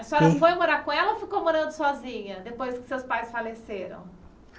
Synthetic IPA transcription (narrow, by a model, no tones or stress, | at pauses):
ɐsɔɐfojmoɾaɾkõɛlɐofikowmoɾɐ̃nd̪ʊsɔzĩɲɐd̪epojskɪ̥sewspajsfaleseɾɐ̰̃w̃